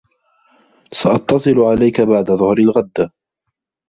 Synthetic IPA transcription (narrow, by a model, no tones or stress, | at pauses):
saʔɑt̪ːɑsˤɨlʊʕalajkabaʕd̪aðˤʊhɾalɣad̪ːa